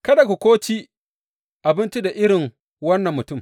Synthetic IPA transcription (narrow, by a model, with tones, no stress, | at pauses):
kɐ˦da˨ku˨kʷoː˦t͡ʃi˦ | ʔa˨bɪ˦nt͡ʃu˦da˨ʔɪ˦ɽɪ˨ŋ | wɐ˦nːɐ˨mːʊ˨tʊ˦˨m